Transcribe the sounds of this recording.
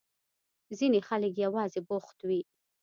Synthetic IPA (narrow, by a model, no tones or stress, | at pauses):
zinexalək̬jawɑzebʊxt̪wi